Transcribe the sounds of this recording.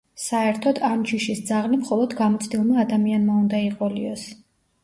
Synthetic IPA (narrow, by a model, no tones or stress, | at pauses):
saɛɾt̪ʰɔd̪amd͡ʒiʃisd̪zaʁlimχɔlˠɔd̪ɡamɔt̪sʰd̪ilˠmaːd̪amianmaund̪aiqʼɔliɔs